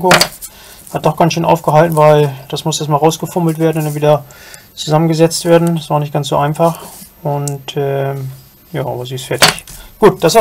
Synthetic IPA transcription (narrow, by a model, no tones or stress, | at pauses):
ko | hat̚d̥ɔχɡ̥ant͡ssʃøːnʔa̰ʊfɡ̥əɦaltn̩vaɪld̥asmʊsɛɐstmaːlʁaʊsɡ̥əfʊml̩tv̥eːɐdn̩ʊndanviːdɐ | t͡suzamənɡəzɛt͡stv̥eːɐdn̩dasv̥aːnɪçt̚ɡ̥ansz̥o̰ːʔaɪnfaχ | ʊntɛː | jaːʔa̰ːbɐziːɪstfɛɐtɪçɡ̥uːt̚d̥asa